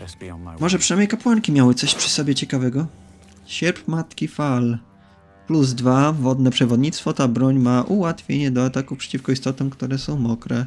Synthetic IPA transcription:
mɔʐɛpʂɨnamʲɲejkapwaŋkʲimʲjawɘt̪sɔɕpʂɘ̥sɔbʲjɛt͡ɕɛkavɛɡɔ | ɕɛɾpmat̪kʲifal | pluzd̪vavɔd̪nɛpʂɛvɔd̪ɲit̪st̪fɔt̪abɾɔɲmaʔuwat̪fʲjeɲɛd̪ɔat̪akufpʂɛ̥t͡ɕifkɔist̪ɔt̪ɔ̃m̃kt̪uɾɛsɔ̃w̃mɔkɾɛ

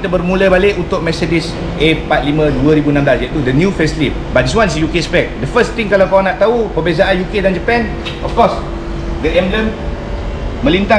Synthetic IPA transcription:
it̪abərmũləbalɪʔunt̪ʊk̚mɛsedis | ʔepat̪̚limə̃duəɾibunãmblasɛʔ̚t̪udənjufɛslip̚bat̚dis̬wansjukespɛk̚dəfəst̪iŋkalawkawanaʔt̪aupəbezaʔanjukedand͡ʒəpɛn | ʔɔfkɔs | dəʔɛmləm | mə̃lint̪a

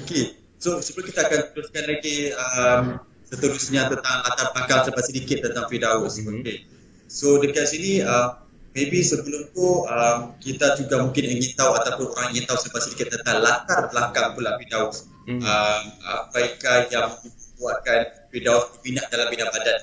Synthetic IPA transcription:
oke | sosəbəlokit̪aːkant̪uɾuskanlaɡiəm | sət̪əɾʊsɲãt̪ənt̪aŋlat̪arbəlakaŋsəəpat̪̚sədikɪt̪̚ːənt̪aŋfidaʊsoke | sodəkiasiniəmː | ẽbisəbəlʊmt̪uəmkit̪ad͡ʒuɡaʔmũŋkɪnəŋĩnt̪awat̪apʊnoɾaŋəŋĩnt̪awsəəpat̪sədikɪt̪̚ːənt̪aŋlat̪arbəlakaŋpulaʔfidaʊs | əma̰pajkahjaŋməmbuaʔkan | fidaʊtt̪uminaʔdalampinaŋbadan

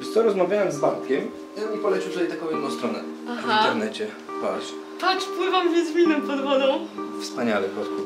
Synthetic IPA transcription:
sɔɾɔzmavʲjawɛmzbapkʲɛm | ipɔlɛt͡ɕiwt̪jɛjt̪akɔ̃w̃jɛd̪nɔ̃st̪ɾɔnɛavhaint̪ɛɾnɛt͡ɕɛ | pa̰lɕ | t̪akpwɘvamvʲɛzvʲinɔ̃pɔd̪vɔd̪ɔ̃w̃fspaɲalɛpɔsu

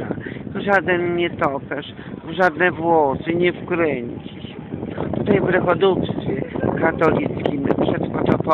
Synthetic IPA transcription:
at̪ɔʐad̪ɛnɲɛt̪ɔpɛʂ | vʐad̪nɛvwɔsɨɲɛfkɾɛɲt͡ɕiɕɛt̪ut̪ajvɾɛxɔd̪upst̪fʲjɛkat̪ɔlʲit̪skʲimpʂɛt̪fɔt̪ɔp

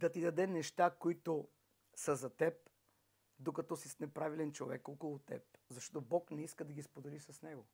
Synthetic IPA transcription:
d̪ɐt̪id̪ɐd̪ɛnɛʃt̪akoit̪ʊ | sɐzɐt̪ɛp̚ | d̪okɐt̪ɔsisnɛpɾavilɛnt͡ʃovɛkɔkəlˠʊt̪ɛ̰p̚zɐʃt̪ɔt̪obɔknɛiskəd̪ɐɡʲispod̪ɛlisɐsnɛɡo

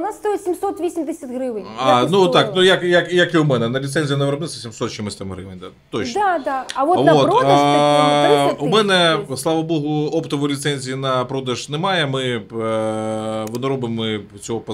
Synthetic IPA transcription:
nasːt̪ojɪsʲimsot̪ʋʲisʲimd̪ɪsʲɐtʲɦɾɪʋɪnanutt̪aknujɐkjɐkjɐkiʊmɛnɛnɐlʲit̪sɛnʲzʲjɐnɐʋɾɐbnɪsʲɐsʲimsɔt̪ɕimɪsʲt̪amɦɾɪ̰ʋenʲd̪a | t̪ot͡ʃad̪aɐʋoʋotɾ | umɛnɛslˠɑʋɐboɦʊopt̪ɔʋɔjlʲit̪sɛnʲzʲijinɐpɾod̪ɐʒnɛmɑjɛmɪ | ʋɔnɔɾɔbɪmɪ | t͡sʲɔɦɔpɐ

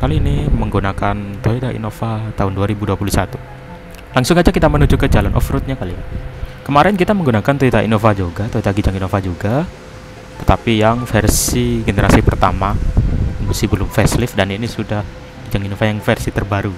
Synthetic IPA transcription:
kaliːniməŋɡunakant̪oit̪aḭnofat̪aɦʊnduaɾibuduapulusat̪u | laŋsʊŋad͡ʒakit̪amənud͡ʒukəd͡ʒalanʔɔ̰fɾʊt̪̚ɲakalikəmaɾɛnkit̪aməŋɡunakant̪oit̪aʔḭnofad͡ʒoɡat̪oit̪aɡid͡ʒaŋinofad͡ʒuɡa | t̪ə̥t̪apijaŋfɛrsiɡeneɾasipərt̪ama | musibəlʊmfɛslɪfdaninisudah | ɡid͡ʒaŋinofajaŋfɛrsit̪ərbaɾu

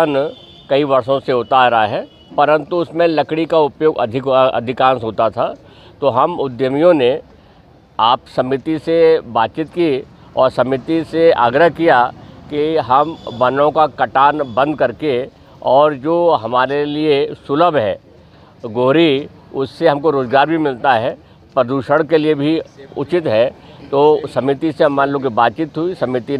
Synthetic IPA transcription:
n | kɐiʋɐɾsõseʊt̪aːɾɐɦaɦɛː | pɐɾə̃nt̪uʊsmẽlɐkɽikaʊpjoːɡɐ̰d̪ʱɪkɐ̰d̪ʱɪkãːsɦoːt̪at̪ʰa | t̪oɦɐmʊd̪jəmijõne | aːpsɐmɪt̪isebaːt̪̚t͡ʃɪt̪ki | ɔːɾsɐmɪt̪isea̰ːɡɾəɦkijakiɦɐmbɐnõkakɐʈaːnbɐ̃nd̪̚kɐɾke | ɔːɾd͡ʒoːɦɐmaːɾeliesʊləbɦɛ̰ː | ɡoːɾi | ʊsːeɦɐ̃mkoɾoːzɡaːɾbʱimɪlt̪aɦɛ | pɾəd̪uːʃəɽ̃keliebʱiʊ̰t͡ʃɪt̪ɦɛt̪osɐmɪt̪iseɦɐmaɾloɡibaːt̪̚t͡ʃit̪ɦʊisɐmɪt̪i

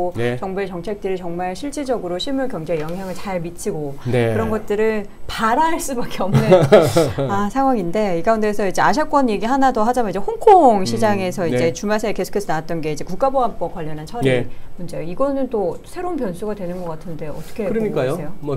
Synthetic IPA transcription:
ot͡ɕʌŋbeet͡ɕʌŋt͡ɕʰe̞k̚t͈ɯɾit͡ɕʌŋmaɭɕʰiɭt͡ɕ͈ʰid͡ʑʌɡɯɾoɕʰimuɭkjʌŋd͡ʑejʌŋɦjaŋɯɭt͡ɕaɭmit͡ɕʰiɡonkɯɾʌnɡʌt̚t͈ɯɾɯɭ | paɾaɦaɭs͈ubak͈eʌmne | asʰaŋɦwaŋinde̞iɡaunde̞sʰʌid͡ʑe̞aɕ̬ʰak͈ʌnje̞ɡiɦanadoɦad͡ʑamanid͡ʑe̞hoŋkʰoŋɕʰid͡ʑaŋe̞sʰʌid͡ʑe̞t͡ɕumasʰeeke̞sʰo̥kʰesʰʌnaat̚t͈ʌnɡe̞id͡ʑe̞kuk͈aboɦam̚k͈okwaʎːʌnɦant͡ɕʰʌɾimond͡ʑeiɡʌnɯnt͈osʰeɾounpjʌnsʰuɡadwe̞nɯnɡʌk͈atʰɯnde̞ʌt͈ʌkʰeɾɯɲik͈ajoejo

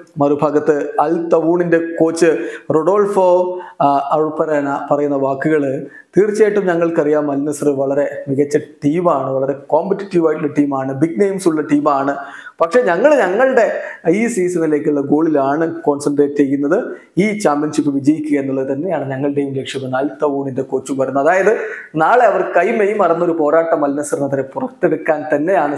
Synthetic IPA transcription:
mɐɾubʱaːɡɐt̪ːɨɐlt̪ɐʋuːɳinde̞ko̞ːt͡ɕːɨroɽo̞ːlfo | ɐɻupːɐɾaːnapɐrɐjunːɐʋaːkːɨɣɐɭɨ | t̪iːrt͡ɕːeːjʈːumɲɐŋːɐɭkɐrijaːmːɐlnɐsɐrɨʋɐɭɐɾe̞miɣɐt͡ɕːɐʈiːmaːɳɨʋɐɭɐɾe̞koːmpɐtːiʈːiʋaːjiʈːuɳːɐʈiːmaːɳɨbiɡ̚nejmsuɭːɐʈiːmaːɳɨpɐkʂe̞ɲɐŋːɐɭɲɐŋːɐɭɨɽe̞isiːsɐnileːkʲːiuɭːɐɡo̞ːɭilaːɳɨko̞ːnsɐɳɖreːtːejːunːɐðɨ | iːt͡ɕaːmɐnsipːɨʋid͡ʑɐjikʲːuɣɐenːuɭːɐðɨt̪ɐnːe̞jaːɳɨɲɐŋːɐɭɨɽe̞jumlekʂjɐmːɨnaːlt̪ɐʋuːɳindekoːt͡ɕːumʋɐɾunːuɐðaːjɐðɨnaːɭe̞ɐʋɐrkɐjmejumɐrɐnːɐo̞ɾupo̞ːɾaːʈːɐmɐlnɐsɐrnɐt̪ɐɾepurɐkt̪ːeɽukːaːnt̪ɐnːe̞jaːɳɨ

